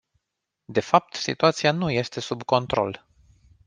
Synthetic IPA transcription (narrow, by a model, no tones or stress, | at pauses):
d̪e̞fap̚t̪sḭt̪uat̪sianuje̞st̪e̞subko̞nt̪ɾo̞̰l